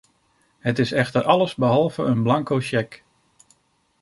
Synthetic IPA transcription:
hətɪsɛxtəɾʔɑləzbəɦɑlˠvəənblɑŋkowʃɛk

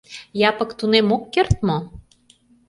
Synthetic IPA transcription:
jɑpɤ̆kt̪unemokːert̪̚mo

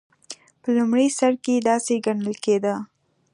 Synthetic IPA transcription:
pəlumɽəjsaɾked̪ɑseɡaɳəlked̪ə

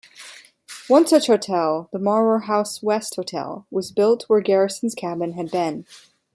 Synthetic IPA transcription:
wʌ̃nsʌt͡ʃhoʊtʰɛlˠðəmɑɹmə˞ɦaʊswɛst̚hoʊtʰɛ̰lˠwʌzbɪlˠt̚wə˞ɡɛɹɨsn̩z̥kʰæbɨ̃nɨd̚bɪ̃n

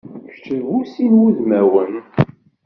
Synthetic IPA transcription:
çt͡ʃəvusinwuðmæwən

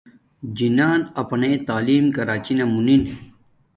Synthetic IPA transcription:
d͡ʑinaːnɐpnet̪aːliːmkɐɾaːt͡ɕinemunin

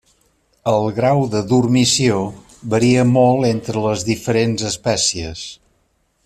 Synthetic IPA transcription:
əlˠɣɾawðəðurmisio | βəɾiəmɔlˠent̪ɾələzðifəɾenzəspɛsiəs

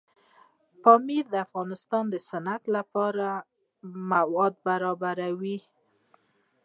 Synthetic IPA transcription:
pɑmiɾd̪əafɣɑnɪst̪ɑnd̪əsanat̪lapɑɾa | mawɑd̪̚baɾɑbaɾawi

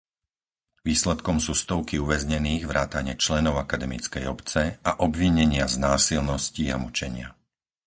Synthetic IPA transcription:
ʋiːslɛt̪kɔmsuːst̪ɔʊkiuʋɛzɲɛniːɣʋɾaːt̪aɲɪɛt͡ʃlɛnɔʊakad̪ɛmḭt͡skɛjɔpt͡sɛaʔɔbʋiɲɛɲɪaznaːsilnɔscia̰mut͡ʃɛɲɪa̰

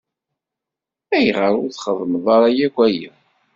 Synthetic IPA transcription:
æjʁəɾʊɾθχəðˤməðˤɑɾˤɑjækʷæjə

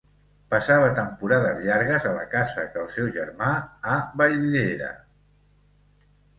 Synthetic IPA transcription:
pəsaβət̪əmpuɾaðəzʎaɾɣəzələ̰kazəkəlˠsɛwʒəɾmaaβəjβiðeɾə̰

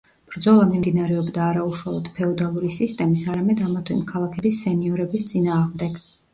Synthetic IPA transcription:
b̥ɾd̪zɔlˠamimd̪inaɾɛɔbd̪aːɾauʃwalˠɔd̪̥pʰɛɔd̪alˠuɾisist̪ʼɛmisaɾamɛd̪amat̪ʰwɛ̰mkʰalˠakʰɛbisːɛniɔɾɛbist̪sʼinaːʁmd̪ɛɡ̥

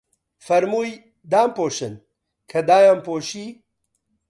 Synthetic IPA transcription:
fɐɾmuːj | d̪aːmpoːʃɨn | kʰɐd̪aːjaːmpoːʃiː

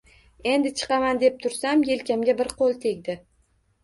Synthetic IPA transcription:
e̞nd̪ɪt͡ʃʰɨ̥qɑmand̪e̞p̚t̪ʰʊɾsamje̞lkʲamɡʲabɪɾqʰolˠt̪ʰe̞ɡʲd̪ɪ

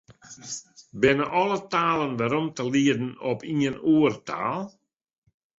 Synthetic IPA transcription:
bɪnəʔɔlˠətaːlˠənʋɛɾɔmtəliədn̩ɔpiənuərta̰ːlˠ

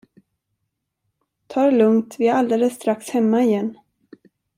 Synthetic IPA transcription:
t̪ʰɑːɾlɵŋt̪vɪæɾald̪eːləsːt̪ɾakshɛmːaɪjɛnː

